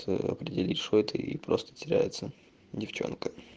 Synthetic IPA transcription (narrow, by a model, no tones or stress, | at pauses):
ə̰ɐ̰pɾʲɪdʲɪlʲit̪ʲʂot̪ʰɨipɾost̪ə̥tʲɪɾʲæ̰jɪt̪sə | dʲɪft͡ɕo̞̰nkə